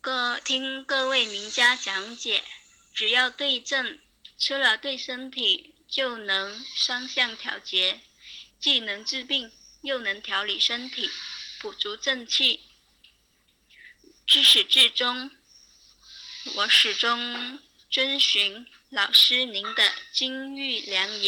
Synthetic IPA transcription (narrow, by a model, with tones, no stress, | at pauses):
t̪ʰi˥ŋkɤ˥˧we˥˩ɪmi˧˥ŋt͡ɕja˥t͡ɕjɑ˧˥ŋt͡ɕjɛ˨˩˦ | ʈ͡ʂɻ̩˨˩jɑ˥˧ʊt̪we˥˧ɪʈ͡ʂə˥˩ŋ | t͡sʰɤ˥lə˨˩t̪we˥˩ɪʂə˥nt̪ʰi˨˩˦ | t͡ɕjo˥˩ʊnɤ˧˥ŋʂɑ˥ŋɕjɑ˥˩ŋt̪ʰjɑ̰˧˥ʊt͡ɕjɛ˧˥ | t͡ɕi˥˩nɤ˧˥ŋt͡s̩˥˧pi˥˩ŋjo˥˩ʊnɤ˧˥ŋt̪ʰjɑ˧˥ʊli˨˩ʂə˥nt̪ʰi˨˩˦pu˨˩t͡su˧˥ʈ͡ʂɤ˥˧ŋt͡ɕʰi˥˩ | ʈ͡ʂɻ̩˥ʂɻ̩˨˩ʈ͡ʂɻ̩˥˩ʈ͡ʂʊ˥ŋ | wɔ˧˩ʂɻ̩˨˩ʈ͡ʂʊ˥ŋ | ʈ͡ʂwə˥nɕy˧˥ŋ | lɑ˨˩ʊʂɻ̩˥ni˧˥nd̪ə˧t͡ɕi˥ŋy˥˩ljɑ˧˥ŋɛ˧˥